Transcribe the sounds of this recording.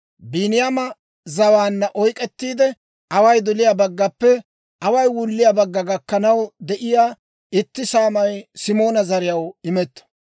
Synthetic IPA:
biːnɪjamɐ | zɐwaːnːɐʔɔjkʼɛt̪ːiːd̪ɛ | ʔɐwɐjd̪ʊlɪjabɐɡːɐpːɛ | ʔɐwɐjwʊlːɪjaːbɐɡːɐɡɐkːɐnɐwd̪ɛʔɪjaː | ɪt̪ːɪsaːmɐjsɪmo̞ːnɐzɐɾɪjɐwɪmɛt̪ːɐ̥

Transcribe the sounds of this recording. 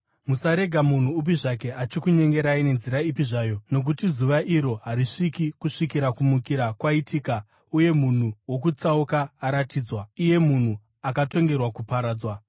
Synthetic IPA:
musaɾe̞ɡʱamun̤uːp̬iʐake̞ʔat͡ʃikuɲe̞ŋɡe̞ɾaine̞nziɾaipiʐaːjo̞no̞k̬utizuʋaʔiɾo̞ɦaɾiʂikikuʂikiɾakumukiɾakwaitʰiːka | uje̞mun̤uwo̞kut͡saukaːɾatiːd͡zwaije̞mun̤u | akato̞ŋɡe̞rwakupaɾaːd͡zwa

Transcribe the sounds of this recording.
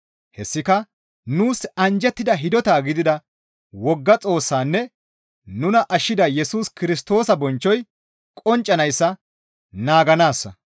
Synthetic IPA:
hɛsːɪkɐ | nuːsɐnd͡ʒɛt̪ːɪd̪ɐɦɪd̪ɔt̪aːɡɪd̪ɪd̪ɐ | wɔɡːɐt͡sʼo̞ːsːaːnːɛ | nʊnɐʔɐʃːɪd̪ɐjɛsuːskɪɾɪs̬t̪o̞ːsɐbɔnt͡ʃːɔj | kʼɔnt͡ʃʼːɐnɐjsːɐ | naːɡɐnaːsːɐ̰

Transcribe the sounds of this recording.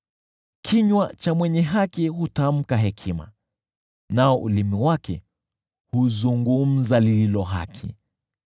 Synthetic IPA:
kʰiɲwat͡ʃamwɛɲɛɦakihutam̩kaɦɛkʰima̰ | naɔʔulimiwakɛ̰ | huzuŋɡum̩zalililɔɦa̰kʰḭ

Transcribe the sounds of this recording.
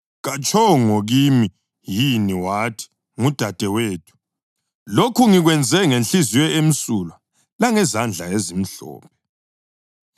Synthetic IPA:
ɣat͡ʃʰʼɔŋoɣimi | jiniwatʰi̥ | ŋud̥ʱad̥ʱɛweːtʰu̥ | lokʰuŋiɣwɛnd͡zʱɛŋenɬiziwɛem̩sula | laŋɛzand͡ɮʱaezim̩ɬɔ̰ːpʰɛ

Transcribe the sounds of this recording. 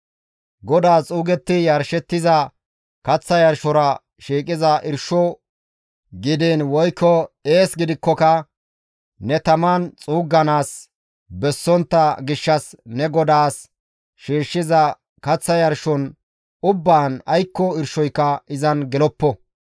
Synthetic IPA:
ɡɔd̪aːt͡sʼuːɡɛt̪ːɪjɐɾʃɛt̪ːɪzɐ | kɐt͡sːɐjɐɾʃɔɾɐ | ʃiːkʼɪzɐʔɪɾʃɔ | ɡɪd̪inwɔjkʰːɔeːsɡɪd̪ɪkːɔkɐ | nɛt̪ɐmant͡sʼuːɡːɐnaːs | bɛsːɔnt̪ːɐɡɪʃːɐsnɛɡɔd̪aːs | ʃiːʃːɪzɐ | kɐt͡sːɐjɐɾʃɔn | ʊbːaːnɐjkːɔɪɾʃɔjkːɐɪzɐnɡɛlɔpːɔ

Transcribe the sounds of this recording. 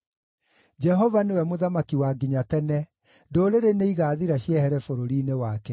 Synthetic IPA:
d͡ʒɛɦɔvanewɛmoðamakiwaɡiɲatɛnɛ | ndoːɾeɾeneiɣaːðiɾaɕjɛhɛɾɛfoɾoɾiːnewaːkɛ

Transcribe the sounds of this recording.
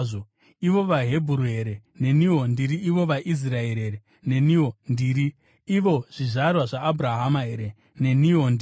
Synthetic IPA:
o | iʋo̞ʋaɦe̞bʱuɾue̞ɾe̞ne̞niɦondiɾiiʋo̞ʋaʔis̬raeɾeɾe | ne̞niondiːɾi | iʋo̞ʐ̥iʐarwaʐaːbʱuɾaɦamaɦeɾe | ne̞niondi

